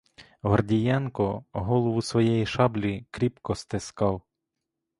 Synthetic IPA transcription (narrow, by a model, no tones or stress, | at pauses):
ɦɔrdʲijɑnkɔɦɔlˠɔʋʊsʋɔjɛjiʃɑblʲikɾʲipkɔst̪ɪskɑw